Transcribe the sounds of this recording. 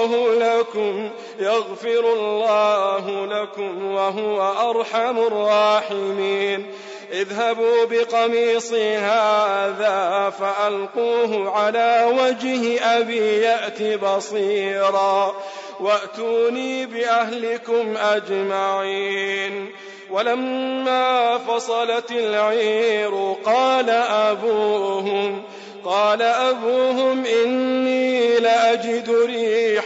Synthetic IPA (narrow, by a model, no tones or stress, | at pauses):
ɦʊlakʊm | jaɣfɪɾʊlːɑːɦʊlakʊmwaɦʊwaʔɑɾˤħamɑrˤːɑːħɪmiːn | ʔɪðɦabuːbɪqɑmiːsˤɨɦaːðaːfaʔalquːɦʊʕalaːwad͡ʒhɪʔabiːjaʔt̪ibɑsˤiːɾɑː | waʔt̪uːniːbɪʔaɦlɪkʊmʔad͡ʒmaʕiːn | walamːaːfɑsˤɑlɑt̪ɪlʕiːɾʊqɑːlaʔabuːɦʊm | qɑːlaʔabuːɦʊmʔɪnːiːlɪʔad͡ʒɪd̪ʊɾiːħ